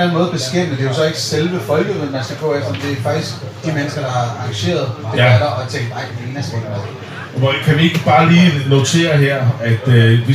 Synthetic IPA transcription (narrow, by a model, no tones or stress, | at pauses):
nænmɔːðˠb̥e̝sɡ̥em̰d̥əd̥e̝jo̝sɒ̽e̝ɡ̥əselʋəfɒ̽lɡ̥əðˠmenmænsɡ̥ɐpʰɒ̽efd̥ɒd̥e̝æfɑ̈ɡ̥d̥isɡ̥ | d̥imenəsɡ̥ɐd̥ɑ̈hɑ̈ɑ̈ŋɡɕe̝̰ːɐð̞ˠd̥ebæɾ̥ɐɒ̽ɑt͡sʰeŋ̰d̥nɑ̈ɪ̰̥e̝ːnæsɡ̥enmoðˠ | mkʰæʋie̝ɡ̥əb̥ɑ̈ːliːno̝t͡sʰe̝̰ːɐɦeɐ̰æd̥øʋi